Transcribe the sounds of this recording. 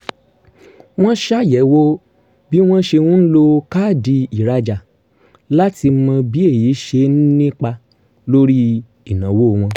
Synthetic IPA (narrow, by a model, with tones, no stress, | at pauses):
w̃ɔ̃˦ʃa˦˨jɛ˨˦wo˧ | bi˦w̃ɔ̃˦ʃe˧w̃ũ˦n̩˦lo˧ka˦˨di˧i˨ɾa˧d͡ʒa˨ | la˦ti˧mã˧bi˨˦e˦˨ji˨˦ʃe˧n̩˦nĩ˦k͡pa˧ | lo˦ɾi˦ | i˦˨nã˨˦wo˦˨w̃ɔ̃˧